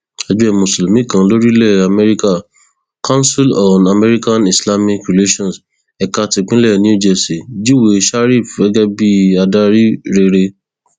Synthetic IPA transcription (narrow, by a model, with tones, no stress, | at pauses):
a˧d͡ʒu˦ɛ˧˨mũ˨slu˨mĩ˦˨kã˦lo˦ɾi˦lɛ˦˨a˨mɛ˦ɾi˦ka˦˨ | ka˦n˦si˦lɔ̃˨na˨mɛ˦ɾi˦ka˦ni˨sla˦mĩ˦kɾi˨le˦ʃɔ̃˦˨ns | ɛ˨ka˧ti˧k͡pĩ˦lɛ˦˨nĩ˦o˦˨d͡ʒɛ˧˨si˨d͡ʒi˦we˨ʃa˦ɾi˦˨fɛ˨˦ɡɛ˦bi˦a˧da˦ɾi˦ɾe˧ɾe˧